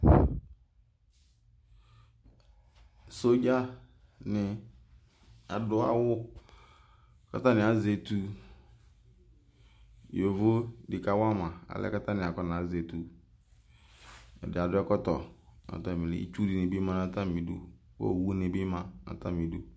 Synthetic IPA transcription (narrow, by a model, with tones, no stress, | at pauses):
so˦d͡ʒa˦ | nɪ˨ | a˨dʊ˦a̰˦wʊ˦ | ka̰˦ta˦nɪ˨a˨ze˨tu˦ | jo˨vo˦dɪ˨ka˨wa˦ma˨a̰˨lɛ̰˦ka˦ta˦nɪ˨a˨kɔ˦na˨˦ze˨tu˨ | ɛ̰˨dɪ˨a˨dʊ˦ɛ˦kɔ˦tɔ˨na̰˨ta˦˨mĩ˨lɪ̰˨˦ḭ˦t͡ʃu˦di˨ne˨bi˦mã˦na˨ta˦mĩ˨dṵ˨ | wo̰˦˨wu˦ne˨bɪ˦mã˨na̰˨ta˦mi˨du˦